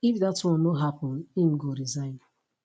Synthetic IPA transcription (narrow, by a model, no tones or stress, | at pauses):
ifdatwɔ̃nːoɦapɔ̃nim̩ɡoɾizãɪ̃n